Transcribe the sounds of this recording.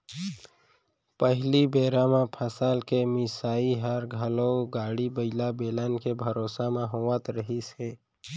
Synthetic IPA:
pəɦlibeːɾamãpʰəsaːlkemɪsaːiɦəɾɡʱəloɡaːɽibəɪlabeːlənkebʱəɾoːsamãɦowət̪ɾəɦiseː

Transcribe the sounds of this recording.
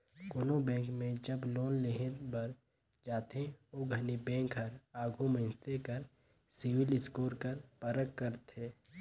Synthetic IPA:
koːnobɛ̃ːŋkmẽd͡ʒɐbloːnleɦɪnbɐɾ | d͡ʒaːt̪ẽoːɡʱɐnibɛ̃ːŋkɐɾaːɡʱuməɪnsekɐɾ | sɪʋɪlɪskoːɾkɐɾpɐɾəkːəɾt̪eː

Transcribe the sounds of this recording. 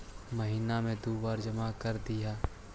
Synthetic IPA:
mɐɦiːnamẽd̪uːbaːɾd͡ʒɐmakɐɾd̪ɪjaː

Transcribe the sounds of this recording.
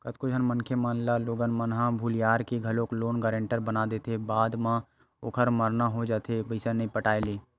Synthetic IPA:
kət̪kod͡ʒʱənmənkʰemaːnlaloːɡənmənɦãbʱulijaːɾkiɡʱɐloːkloːnɡəːɾẽɳʈəɾbənad̪eːt̪ʰebaːd̪mã | oːkʰəɾməɾnaɦod͡ʒaːt̪ʰebəɪsanəĩpəʈaːjleː

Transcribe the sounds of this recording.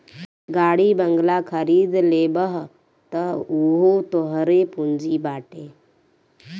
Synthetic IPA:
ɡaɽiːbəŋɡlakʰəɾiːd̪lebəɦ | t̪əɦuɦot̪oɦɾepund͡ziːbaʈe

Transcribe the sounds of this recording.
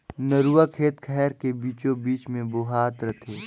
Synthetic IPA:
nəɾuakʰeːt̪kʰɛːɾkebiːt͡ʃõbiːt͡ʃmẽboɦaːt̪ɾət̪ʰeː

